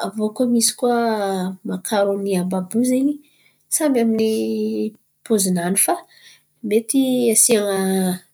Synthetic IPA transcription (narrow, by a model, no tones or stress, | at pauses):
avokumisi̥kwamakʰaɾuniambabuzeɲi | sambamini | pozinanifa | met̪iasiaŋə